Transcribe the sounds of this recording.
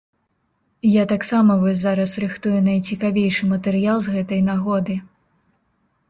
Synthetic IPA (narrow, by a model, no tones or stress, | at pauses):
jat̪aksamɐvɔsʲzaɾɐsɾɨxt̪ujunɐjt͡sʲikavʲejʂɨmɐt̪ɛɾɨjalˠzɣɛt̪ɐjnaɣɔd̪ɨ